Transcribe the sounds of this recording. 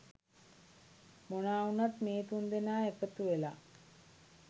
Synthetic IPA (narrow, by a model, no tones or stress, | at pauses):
monaːunat̪meːt̪und̪enaːekət̪uʋela̰